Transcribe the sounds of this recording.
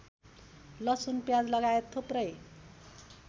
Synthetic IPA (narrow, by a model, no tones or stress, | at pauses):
lʌsunpjad͡zlʌɡaet̪ʰːuprʌj